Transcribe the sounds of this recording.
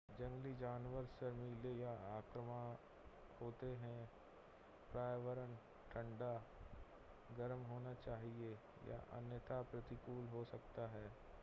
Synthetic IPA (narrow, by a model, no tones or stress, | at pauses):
d͡ʒɐ̃ŋɡlid͡ʒaːnʋəɾsəmɪlejaaːkɾəma | hoːt̪eɦɛ̃ | pɾaːjʋəɾən | ʈʰə̃ɳɖa | ɡəɾmɦoːnat͡ʃaːɦie | ja̰ʔɐ̰njət̪apɾət̪ɪkuːlɦosɐkt̪aɦɛː